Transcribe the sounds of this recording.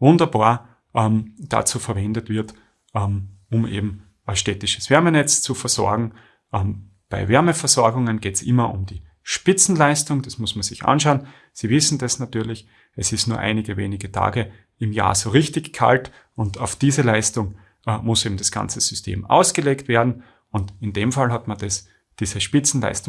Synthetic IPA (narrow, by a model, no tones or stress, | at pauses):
vʊndɐbaːɐ | ʔɛmd̥a̰t͡suːfɛɐvɛndətv̥ɪɐt | ʔɛm | ʊmʔḛːbm̩ | ʃtɛːtɪʃəsv̥ɛɐmənɛt͡st͡sufɛɐzɔ̰ɐɡŋ̩ | ʔɛm | b̥aɪvɛɐməfɐzɔɐɡʊŋənɡ̥eːtsʔɪ̰mɐʔʊ̰mdiː | ʃpɪt͡sn̩laɪstʊŋd̥asmʊsmɐnz̥ɪçʔa̰nʃaʊən | siːvɪsn̩dasnatyːɐlɪç | ɛsɪstnuːɐʔa̰ɪnɪɡəvḛːnɪɡətʰa̰ːɡə | ɪmja̰ːɐzoːʁɪçtɪçkʰa̰lt | ʊntaʊfd̥iːzəlaɪstʊŋ | mʊsʔeːbm̩dasɡ̥a̰nt͡səz̥ʏstʰḛːmʔa̰ʊsɡ̥əleːktv̥ɛːɐdn̩ | ʊntɪndeːmfalhatmɐnd̥as | d̥iːzəʃpɪt͡sn̩la̰ɪstʊ